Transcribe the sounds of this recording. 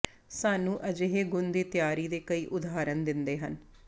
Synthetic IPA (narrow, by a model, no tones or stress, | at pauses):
saːnũːʔəd͡ʒeɦeːɡʊnd̪iːt̪jaːɾiːd̪eːkəiːʔʊd̪aːɾənd̪ɪnd̪eːɦən